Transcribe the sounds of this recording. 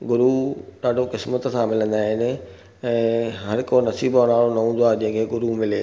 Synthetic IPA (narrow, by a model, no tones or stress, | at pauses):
ɡʊɾuɗaːɖʱokɪsmət̪sãmɪlə̃nd̪aːɦɪnɪ̆ | ɛ̃ːɦɐɾkonɐsiːbonaːɭonɐũːnd̪oaːʄĩɦə̃kʰeːɡʊɾumɪleː